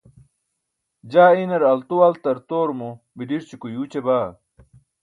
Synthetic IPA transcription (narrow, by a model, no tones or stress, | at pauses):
d͡ʑaːinɐɾɐlt̪uɐlt̪ɐɾt̪oːɾmo | bidiɾt͡ɕikujuːt͡ɕebaː